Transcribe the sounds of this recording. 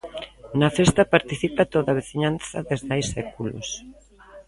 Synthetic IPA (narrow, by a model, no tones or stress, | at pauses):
nɐfest̪ɐpaɾt̪iθipat̪oðaβ̞eθiɲanθɐðezðajsːɛkulo̰s